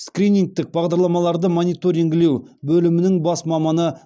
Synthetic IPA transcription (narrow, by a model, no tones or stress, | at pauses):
skɾʲinʲiŋk̚t̪ːɪk̚bɑʁd̪ɑɾlˠɑmɑlˠɑɾd̪əmonijt̪o̞ɾiŋɡʲɪle̞wbɵlɪmɪnɪŋbɑsmɑmɑnə